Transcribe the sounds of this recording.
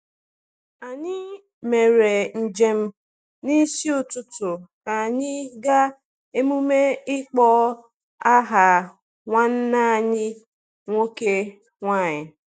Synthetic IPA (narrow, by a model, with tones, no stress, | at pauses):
a˨ɲɪ˦ | me˨ɾe˨n̩˨d͡ʒe˨m̩˦ | ni˦si˦ʊ˨tʊ˦tʊ˨ka˨ɲɪ˦ɡa˦ | e˦mu˦me˦ɪ˦k͡pɔ˦ | a˦ɦa˨ | ŋʷa˦n̩˦na˦a˨ɲɪ˦ | ŋʷo˦ke˦ | ŋʷa˦˨ɲɪ˨